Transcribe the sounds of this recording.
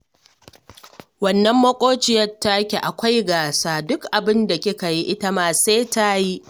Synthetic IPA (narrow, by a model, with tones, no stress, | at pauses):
wɐ˨nːɐ˦mːɐ˦kʷʼoː˦t͡ʃɪ˨jɐ˦rtːa˦kʲe˨ʔa˨kʷa˦jɡaː˨saː˦dʊ˦kʔa˨bɪ˦nda˨kʲɪ˦ka˨ji˦ʔɪ˦tɐ˦maː˨seː˦ta˦ji˦